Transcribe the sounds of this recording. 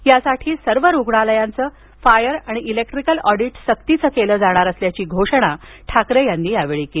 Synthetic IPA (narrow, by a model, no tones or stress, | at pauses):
jasaʈʰiːsəɾʋəɾuɡɳaləjant͡səː | fajəɾaɽ̃iilek̚ʈɾikəlɔɽiʈsəkt̪it͡səːkeləːd͡zaɽ̃aɾəsljat͡ɕiːɡʱoʂəɽ̃aʈʰakɾejanːiːaʋeɭiːkel